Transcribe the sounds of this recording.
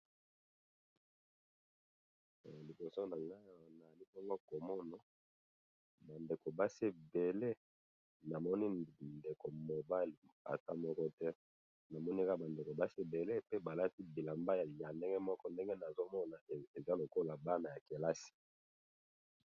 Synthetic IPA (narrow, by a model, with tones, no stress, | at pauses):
li˨bo˨so˦na˨ŋa˦˨na˨li˦mɔ˦ŋɡɔ˦ko˨mɔ˦nɔ˨ | ba˨nde˨ko˨ba˦se˦˨be˨le˦ | na˨mɔ˦ni˦nde˨ko˨mo˨ba˦˨la̰˨ta˦mɔ˦kɔ˦tɛ˦ | na˨mɔ˦ni˦ka˦˨ba˨nde˨ko˨ba˦se˦˨be˨le˦pe˦ba˨la˦ti˦bi˨la˨mba˦ja˨ja˨nde˦ŋɡe˦mɔ˦kɔ˦nde˦ŋɡe˦na˨zo˦mɔ˦na˨e˨za˦lo˨ko˦la˨ba˦na˨ja˨ke˨la˦si̥˨